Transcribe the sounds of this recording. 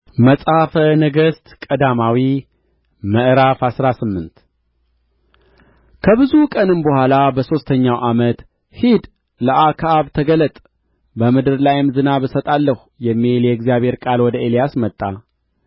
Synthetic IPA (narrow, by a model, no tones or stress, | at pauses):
məsʼafənəɡəst̪kʼəd̪amawi | məʔɾafasɾasɨmːɨnt̪ | kʰəβɨzukʼənɨmbəhʷalabəso̞st̪ʰəɲːawʔamət̪ | hid̪ | ləʔakʰaβt̪ʰəɡələt̪ʼ | bəmɨd̪ɨɾlajɪmzɨnaβɨsət̪ʼalːəhujɛmːiljɛɪɡzijaβhe̞ɾkʼalwɔd̪əe̞lijasmət̪ʼːa